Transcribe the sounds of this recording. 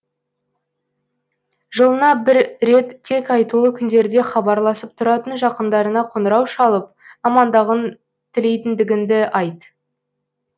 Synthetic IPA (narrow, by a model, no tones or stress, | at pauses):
ʒəlˠənɑbɪɾɾe̞t̪ʰːe̞kɑjt̪ulˠəkʲʰʏnd̪e̞ɾd̪e̞χɑbɑɾlˠɑsəp̚t̪ʰʊɾɑt̪ənʒɑqənd̪ɑɾənɑqʰonəɾɑwʃɑlˠəp̚ɑmɑnd̪ɑʁən | t̪ʰɪle̞jt̪ɪnd̪ɪɡʲɪnd̪ɪʔɑjt̪